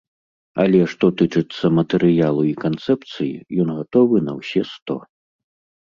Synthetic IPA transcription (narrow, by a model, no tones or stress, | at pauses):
ɐ̰lʲɛʂt̪ɔt̪ɨt͡ʂɨt̪sːɐmɐt̪ɛɾɨjalˠuikant̪sɛpt̪sɨjḭjɔnɣat̪ɔvɨnɐwsʲɛst̪ɔ̰